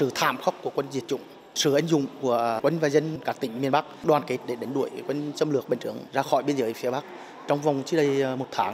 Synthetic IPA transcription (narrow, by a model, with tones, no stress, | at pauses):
sɨ̰˧˨t̪ʰa̰ː˧˨mxɔ˦˥wk͡p̚ku˧˩əkwə˧nzi˨˩ət̚t͡ɕʊ̰˧˥˨ŋ͡m | sɨ̰˧˩ʔa˨˦jŋ̟zʊ̰˧˨ŋ͡mku˧˩əkwə˧ŋ̟vaː˨˩zə˧nkaː˦˥kt̪ï˧˩ŋ̟mi˧˩ənɓa˦˥k̚ɗwaː˨˩nke˨˦˥t̚ɗe˧˩ɗe˨˦ŋ̟ɗu˧˩əjkwə˧n̟t͡ɕə˧mlɨ˨˩ək̚ɓï˨˩ŋ̟t̪ɨ˧˩əŋzaː˧xɔ˧˩jɓi˧ənzəː˨˦jfi˨˦əɓa˦˥k̚ | t͡ɕɔ˧wŋ͡mva˨˩wŋ͡mt͡ɕɨ˨˦˥ɗə˧jmo˨˩t̚t̪ʰaː˨˦ŋ